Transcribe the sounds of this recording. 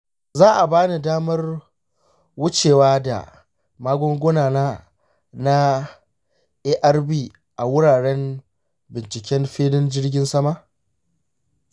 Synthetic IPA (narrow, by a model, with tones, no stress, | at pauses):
zaː˦ʔa˨baː˦ni˨daː˦mɐ˦r | wʊ˦t͡ʃeː˨waː˦da̰˨ | maː˦ɡʷɔ˦ŋɡʷʊ˦naː˨naː˦ | na˦ | ʔeː˦ʔɐ˦rbiː˦ | ʔa˨wʊ˦ɽaː˨ɽɛ˦m | bɪ˨nt͡ʃɪ˨kʲɛ˦mɸeː˦dɪ˦nd͡ʒɪ˦rɡʲɪ˦nsɐ˦ma˦